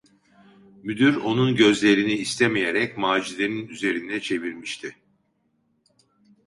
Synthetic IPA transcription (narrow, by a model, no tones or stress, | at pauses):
myd̪yɾo̞nunɟø̞zlʲe̞ɾiniːst̪ʰemijeɾɛcmaːd͡ʒilʲeninyze̞ɾinɛt͡ʃʰe̞viɾmiʃt̪ʰɪ